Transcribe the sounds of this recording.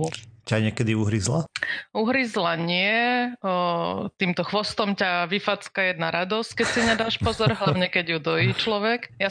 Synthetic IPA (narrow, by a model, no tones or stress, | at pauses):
caɲɪɛkɛd̪iuɦɾizlauɦɾizlaɲɪɛ | t̪iːmt̪ɔxʋɔst̪ɔmcaʋifat͡skajɛd̪naɾad̪ɔsckɛcsiɲɛd̪aːʃpɔzɔɾɦlaʊɲɛkɛɟjud̪ɔjiːt͡ʃlɔʋɛkja